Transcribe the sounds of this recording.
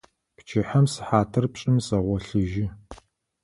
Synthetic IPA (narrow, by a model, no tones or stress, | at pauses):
pt͡ʃʰɪħɐmsɨ̥ħaːtʰɨrpɕʼɪmsʼɐʁʷɔɬɨʒɪ